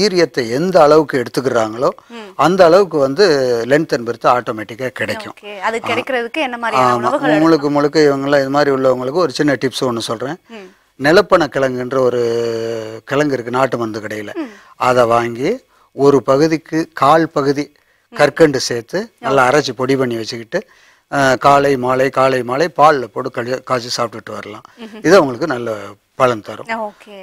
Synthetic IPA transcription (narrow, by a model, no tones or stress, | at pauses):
iːɾɪjɐt̪ːɐɛnd̪ɐːɭɐʋɯkːɯɛɽɯt̪ːɯk̬ːɯɾaːŋɡɐɭoːɐnd̪ɐːɭɐʋɯkːɯʋɐnd̪ɯlɛɳʈt̪ɐnbɛɾɯt̪ːɯaːʈoːmeːʈːɪkːaːkɪɽɐkːʊ̰̃ɐðɯkɪɽɐkːɪɾɐðɯkːɯɛnːɐmaːɾaːmma̰ːʊŋɡɐɭɯk̬ːɯmɔɭɯkːɐɪʋɐŋɡɐɭlːãːɪðɐmaːd̪ɾiʊɭːɐʊŋɡɐɭɯkːɯɔɾɯt͡ʃɪnːɐʈɪpsonːɯsɔlrẽː | nɛlɐpːɐɳɐkɪɭɐŋɡɯɪndrɐɔɾɯ | kɪlɐŋɡɯɪɾɯkːɯnaːʈːɯmɐnd̪ɯkɪɽɐjɪlɐ̰ | ɐðɐʋaːŋɡi | ɔɾɯpɐɣɯðɪkːɯkaːɭpɐɣɯði | kɐɾkɐɳɖɯseːt̪ːɯnɐlːaːɾɐt͡ʃːɯpɔɽipɐɳːiʋɐt͡ʃːɯkːɪʈːɯ | kaːlɐɪmaːlɐɪkaːlɐɪmaːɭɐɪpaːɭlɐpːoːɽɯkɐkaːt͡ʃːisaːp̚ʈɯkɪʈːɯʋɐɾɐlã̰ːɪðɯɐʋɐŋɡɐɭɯkːɯnɐlːɐ | pɐɻɐnt̪ɐɾʊ̰̃oːk